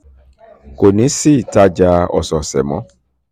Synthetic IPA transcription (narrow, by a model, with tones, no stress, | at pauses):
ko˨nĩ˨˦si˦˨ta˧d͡ʒa˦˧ɔ̰˨sɔ˨sɛ̰˨mɔ̰̃˨˦